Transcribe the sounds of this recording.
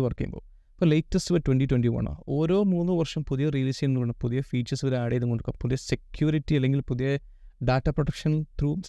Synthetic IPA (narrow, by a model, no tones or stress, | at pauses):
ʋɐrkijmbo̰ː | pːɐlɐjtːɐsɨʋɐtwenɖitwenɖiʋɐ̰ɳa̰o̞ːɾo̞ːmuːnːɨʋɐrʂɐmpuðijɐrilisɐnnːukːɐɳːɐpuðijɐfiːt͡ɕːɐsɨʋɐɾeaːɽejɐðuŋkoɳɖukːɐpuðijɐsekjuːɾitːiɐlːe̞ŋɡilpuðijɐ | ɖaːtːɐproʈɐkʂɐnɐt̪ruː